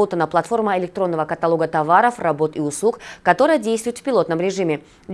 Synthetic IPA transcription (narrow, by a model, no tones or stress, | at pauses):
ot̪ənəplˠɐt̪fo̞rməɪlʲɪk̚t̪ɾo̞nːəvəkət̪ɐlˠo̞ɡət̪ɐvaɾəfrɐbo̞t̪iʊslˠukkɐt̪o̞ɾəjədʲejst̪vʊjɪt̪fʲpʲɪlo̞t̪nəmɾʲɪʐɨmʲɪ | d̪ʲ